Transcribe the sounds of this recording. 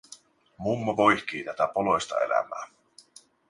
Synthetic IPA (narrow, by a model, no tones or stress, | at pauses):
mumːɑʋojçk̟iːt̪æt̪æpolo̞jst̪ɑ̰e̞̰læ̰mæː